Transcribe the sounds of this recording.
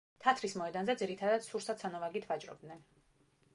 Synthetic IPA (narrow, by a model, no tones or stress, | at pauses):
t̪ʰat̪ʰɾismɔɛd̪anzɛd̪ziɾit̪ʰad̪ad̪̥suɾsat̪sanɔvaɡit̪ʰvat͡ʃʼɾɔ̰b̚d̪nɛn